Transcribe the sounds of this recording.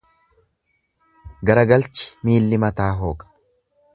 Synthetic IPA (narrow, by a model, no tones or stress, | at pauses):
ɡɐɾɐɡɐlt͡ʃɪ̥miːlːɪmɐt̪aːɦo̞ːkʼɐ̥